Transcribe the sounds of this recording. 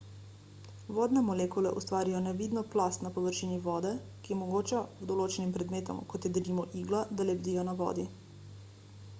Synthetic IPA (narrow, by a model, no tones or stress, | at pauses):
ʋɔːd̪nɛmɔlekulɛʔust̪ʋaːɾijɔnɛʋid̪nɔplast̪napɔʋəɾʃiːniʋɔːd̪ɛ | kijɛmɔɡoːt͡ʃawd̪ɔloːt͡ʃɛnimpɾɛd̪meːt̪ɔ̰mkɔt̪jɛd̪limɔʔiːɡlad̪alɛbd̪iːjɔnaʋɔ̰ːd̪i